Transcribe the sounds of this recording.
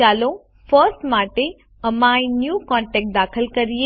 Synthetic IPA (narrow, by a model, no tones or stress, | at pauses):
aːlõ | fəɾsʈmaːʈe | ɐmãːĩnjuːkɔ̃ːɳʈɛːk̚ʈ̚d̪aːkʰəlkɐɾije